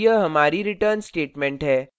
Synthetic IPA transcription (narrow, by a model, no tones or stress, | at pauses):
jəɦəmaɾiːɾiʈəɾnsʈeʈmeɳʈɦe